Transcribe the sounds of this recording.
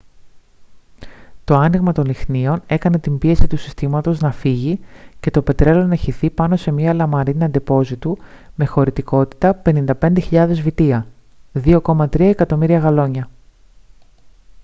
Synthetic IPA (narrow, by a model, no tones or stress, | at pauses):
t̪o̞ɐniɣmɐt̪o̞nixnio̞ne̞kɐne̞t̪imbie̞sit̪usi̥st̪imɐt̪o̞znɐfiʝice̞t̪o̞pe̞t̪ɾe̞lo̞nɐçiθipɐnose̞miɐlɐmɐɾiniɐnd̪epo̞zit̪u | me̞xo̞ɾit̪iko̞t̪i̥t̪ɐpe̞nind̪ɐpe̞nd̪e̞çiʎɐðe̞zvit̪iɐ | ðio̞ko̞mɐt̪ɾiɐe̞kɐt̪o̞miɾiɐɣɐlo̞ɲɐ